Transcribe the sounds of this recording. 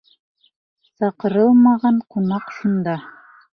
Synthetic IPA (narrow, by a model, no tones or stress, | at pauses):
sɑqɤ̆ɾɤlˠmɑʁɑɴqunɑqʃund̪ɑ